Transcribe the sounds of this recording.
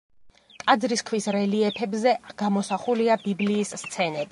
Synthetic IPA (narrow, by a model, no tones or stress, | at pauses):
kʼad̪zɾiskʰwisɾɛliɛpʰɛbzɛɡ̥amɔsaχuliabibliːsːt̪sʰɛnɛbi